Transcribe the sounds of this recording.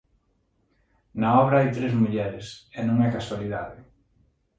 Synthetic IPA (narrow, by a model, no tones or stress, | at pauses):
naɔβɾaajt̪ɾezmuʎɛɾɪsenõŋɛkaswaliðaðɪ